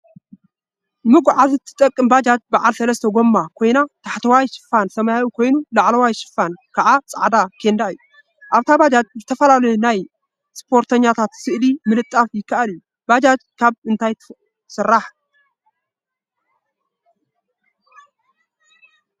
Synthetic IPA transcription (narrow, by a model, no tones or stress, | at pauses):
nɨmɨɡʷʕazɨt̪ʰːɨ̥t̪ʼɐkʼːɨmbad͡ʒad͡ʒbaʕalsɐlɐst̪ʰɐɡo̞mːakʰo̞jnat̪ʰaħt̪ʰɐwajʃɨ̥fansɐmajajukʰo̞jnulaʕlɐwajʃɨ̥fːankʰaʕat͡sʼa̰ʕd̪akʰe̞nd̪aɨ̰jːu | ʔaβt̪ʰabad͡ʒad͡ʒ̚zɨt̪ʰɐfɐlalɐjunaj | spʰo̞ɾt̪ʰɐɲːat̪ʰat̪sɨʔlimɨlɨt̪ʼːafjɪkːaʔaliju | bad͡ʒad͡ʒkʰaβɨnt̪ʰaj̪ʰ | sɨrːaħ